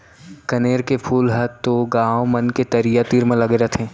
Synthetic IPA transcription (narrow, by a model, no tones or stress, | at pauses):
kɐneːɾkepʰuːlɦɐd̪̚t̪ːoɡãːomɐnket̪ɐɾijat̪iːɾmẽlɐɡɾət̪ʰɦɛ̃ː